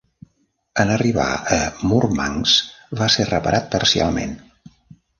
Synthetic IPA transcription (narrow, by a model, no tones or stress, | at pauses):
ənəriβa̰əmurmaŋsβaserəpəɾʔat̪̚pəɾsia̰lˠmḛn